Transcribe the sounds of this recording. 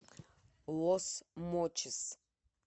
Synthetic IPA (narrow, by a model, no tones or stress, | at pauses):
lɔsmɔt͡ʃʰɪs